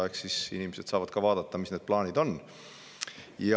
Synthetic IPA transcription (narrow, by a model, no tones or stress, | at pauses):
eksisḭnimese̞d̪̥sɑːvɑd̪̥kɑvɑːd̪̥ɑt̪ːɑmisned̪̚plɑːnʲid̪̥o̞n | jɑ